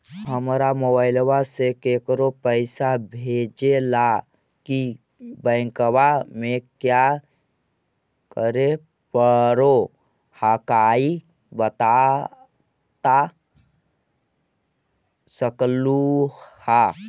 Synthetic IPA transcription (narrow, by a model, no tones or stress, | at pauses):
ɦəmɾamobaɪlwasekekɾopəɪsabʱed͡ʒela | ki | bə̃ɪ̃kwamekja | kəɾe | pəɾo | hakai | bət̪a | t̪a | səkluha